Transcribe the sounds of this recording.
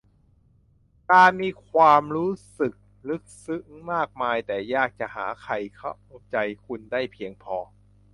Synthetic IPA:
kaː˧nmiː˧kʰwaː˧mɾuː˦˥sɯ˨˩k̚ | lɯ˦˥k̚sɯ˦˥ŋmaː˥˩k̚maː˧jt̪ɛː˨˩jaː˥˩k̚t͡ɕa˨˩ʔha̰ː˩˦kʰa˨˩jkʰa˦˥˩wo˦˧˩p̚t͡ɕa˧jkʰu˧ndaː˥˩jpʰi˧əŋpʰɔː˧

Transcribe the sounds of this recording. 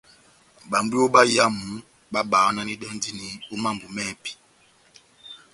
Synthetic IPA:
ɓa˨mbu˦o˦ɓa˦ja˦mu˨˦ | ɓa˦ɓaː˨˦na˦ni˦ɗɛ˦n˦di˦ni˨˦u˦ma˦˨mbu˨mɛ˦˨pi̥˨

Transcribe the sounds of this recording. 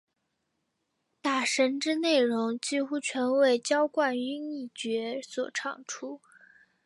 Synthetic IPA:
t̪a˥˩ʂə˧˥nʈ͡ʂɻ̩˥ne˥˩ɪɻʊ˧˥ŋt͡ɕi˥xu˥t͡ɕʰɥɛ˧˥nwe˥˩ɪt͡ɕjɑ˥ʊkwa˥˩ny˥ŋi˥˩t͡ɕɥɛ˧˥swɔ̰˨˩ʈ͡ʂʰɑ̰˥˩ŋʈ͡ʂʰu˥

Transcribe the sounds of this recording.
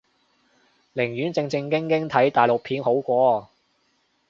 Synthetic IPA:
lɪ˨˩ŋjyː˨˥nt͡sɪ˧ŋt͡sɪ˧ŋkɪ˥ŋkɪ˥ŋt̪ʰɐ˨˥jt̪aː˨˩jlo˨k̚pʰiː˨˧nho˨˥wkʷɔː˧

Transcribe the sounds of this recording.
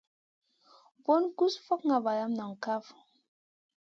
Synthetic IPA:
bɔ˦nku˦sfɔ˦kŋa˨ba˨la˦mna˨ŋ˨ka˦f

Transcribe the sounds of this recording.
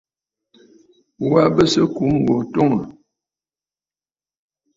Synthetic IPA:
wa˦bə˦sə˦ku˨˦ŋ˨ɡo˨to˦ŋə˨

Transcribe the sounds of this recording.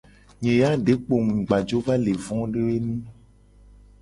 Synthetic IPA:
ɲẽ˨ja˦ɖe˨˦k͡po˨ŋũ˨ɡ͡ba˨d͡ʒo˦va˦le˨vɔ̃˦ɖe˦we˦nũ˦

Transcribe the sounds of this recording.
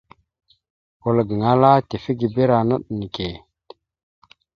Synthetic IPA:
ku˨lɡə˨ŋa˦la˦te˨fi˦ɡi˨be˦ɾa˨nə˦ɗni˨ke˨

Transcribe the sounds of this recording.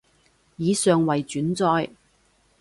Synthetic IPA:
jiː˨˧sœː˨ŋwɐ˨˩jt͡ʃyː˨˥nt͡sɔː˧j

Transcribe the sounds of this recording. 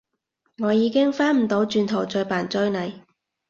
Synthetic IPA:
ŋɔː˨˧jiː˨˧kɪ˥ŋfaː˥nm̩˨˩t̪o˨˧˥wt͡ʃyː˧nt̪ʰo˨˩wt͡ʃɵ˧ɥpaː˨˩nt͡sɵ˥ɥnɐ˨˩j

